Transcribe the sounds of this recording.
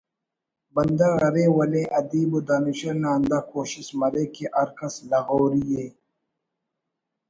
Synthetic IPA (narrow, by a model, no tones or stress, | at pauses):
bɐnd̪aɣɐɾeːwɐlẽːʔɐd̪iːbod̪aːniɕɐnaːnd̪akoːɕismɐɾeːkeʔɐɾkɐslɐɣoːɾijeː